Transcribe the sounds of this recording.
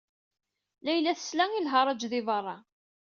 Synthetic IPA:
læjlæθə̥slæŋilɦɑɾˤɑd͡ʒðɪvɑrˤːɑ

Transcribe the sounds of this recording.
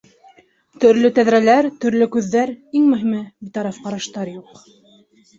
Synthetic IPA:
t̪ɵ̆ɾlɵt̪æðɾælæɾt̪ɵ̆ɾlɵkʉðːæɾiŋmɵ̆ɦimɘbit̪ɑɾɑfqɑɾɑʃt̪ɑɾjuq

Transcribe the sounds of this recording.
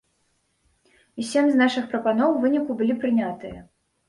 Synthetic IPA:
isʲemʲznaʂɨxpɾɐpanɔwvɨnʲikubɨlʲipɾɨnʲat̪ɨjɐ

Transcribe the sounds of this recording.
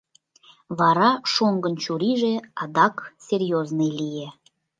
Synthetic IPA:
βɑɾɑʃoŋɡənt͡ɕuɾiʒĕɑd̪ɑksʲerjoznɨjlije

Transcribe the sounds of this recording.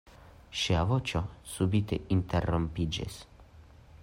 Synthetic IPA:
ʃiavot͡ʃosubit̪ḛint̪erːompid͡ʒḛs

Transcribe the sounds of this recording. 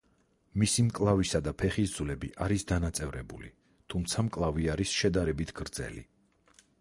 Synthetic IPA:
misimkʼlˠavisad̪apʰɛχis̬d̪zulɛbḭʔaɾisd̪anat̪sʼɛvɾɛbulḭ | t̪ʰumt̪sʰamkʼlˠaviaɾisʃɛd̪aɾɛbit̪ʰɡ̥ɾd̪zɛ̰lḭ

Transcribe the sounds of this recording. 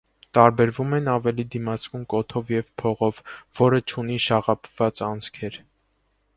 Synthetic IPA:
t̪ɑɾbɛɾvumɛnɑvɛlid̪imɑt͡skumkɔt̪ʰɔvjɛvpʰɔʁɔvːɔɾət͡ʃʰun̪iʃɑʁɑpʰv̥ɑt͡sɑnt͡sʰkʰɛɾ

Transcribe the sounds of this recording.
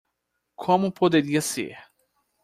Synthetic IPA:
kʰõmʊpod̪eɾiɐsḛɾ

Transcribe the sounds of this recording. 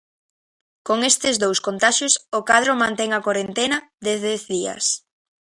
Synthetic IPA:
koŋest̪ɪzd̪owskont̪aʃʊsokaðɾomãnt̪ɛŋakwaɾent̪enɐd̪eθðɛθðiɐ̰s

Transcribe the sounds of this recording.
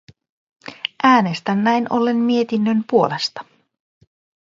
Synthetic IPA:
ʔæːne̞st̪ænːæjno̞̰lːe̞nmie̞t̪inːønpuole̞st̪ɑ̥

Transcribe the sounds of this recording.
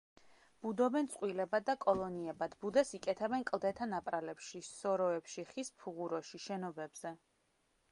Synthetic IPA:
b̥ud̪ɔbɛnt̪sʼqʼwilɛbad̪akʼɔlˠɔniɛbad̪̥bud̪ɛsikʼɛt̪ʰɛbɛnkʼlˠd̪ɛt̪ʰanapʼɾalɛpʃisɔɾɔɛpʃiχispʰuʁuɾɔʃiʃɛnɔbɛbz̥ɛ

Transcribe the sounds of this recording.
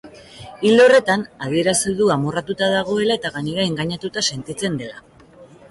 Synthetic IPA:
ild̪eo̞re̞t̪anað̞ie̞ɾasiðuamorat̪ut̪aðaɣ̞o̞e̞lae̞t̪aɣaniɾae̞ŋɡaɲat̪ut̪ase̞nt̪it͡se̞nd̪e̞la

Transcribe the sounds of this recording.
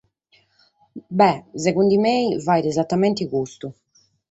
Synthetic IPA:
bɛzɛɣund̪imeːjvajɾɛzat̪ːamɛnt̪iɣust̪u

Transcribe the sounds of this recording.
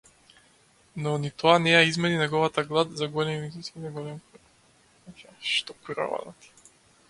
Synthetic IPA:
nɔnit̪ɔanɛjaizmɛninɛɡɔvat̪aɡlˠad̪zaɡɔlɛmmizisinaɡɔlɛmkɔ | kaʃt̪ɔkuɾa̰va̰d̪a̰t̪i̥

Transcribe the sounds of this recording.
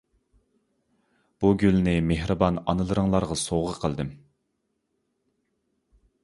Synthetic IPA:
b̥uɡʲylnɪmehɾɨbɑnɑnɨlˠɨɾəŋlˠɑɾʁɑsoʁəqʰəlˠd̪ɨm

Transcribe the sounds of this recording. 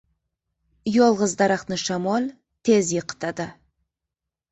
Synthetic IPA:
jolˠʁəzd̪ɑɾɑqnəʃɑmolʲˠ | t̪ʰezjəqə̥t̪ɑd̪ə

